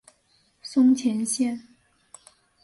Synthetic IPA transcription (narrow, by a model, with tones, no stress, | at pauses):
sʊ˥ŋt͡ɕʰjɛ˧˥nɕjɛ˥˩n